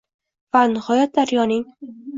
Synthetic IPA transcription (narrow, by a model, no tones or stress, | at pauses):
vanɪhɒjɒt̪̚d̪aɾjɒnɪŋ